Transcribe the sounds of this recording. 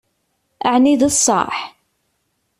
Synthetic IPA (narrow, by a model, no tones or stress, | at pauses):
əʕniðəsˤːɑ̰ɾˤħ